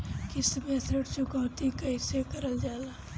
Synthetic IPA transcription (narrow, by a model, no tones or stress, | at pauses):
kɪsmẽsəɽt͡ʃʊkaːt̪ikɐisekəɾəld͡ʒaːlaː